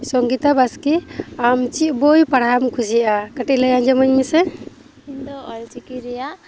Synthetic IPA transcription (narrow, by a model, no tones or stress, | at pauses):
sɔŋɡit̪abaskiamt͡ʃiʔbojpaɽamkʰusiʔakaʈilajand͡ʒɔmaɲɲisɛ | ind̪ɔɔlt͡ʃikiɾɛja